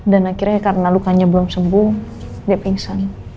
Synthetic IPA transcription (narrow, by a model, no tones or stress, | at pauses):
danakiɾakarnalukaɲabəlɔmsəmbʊŋdiapiŋsan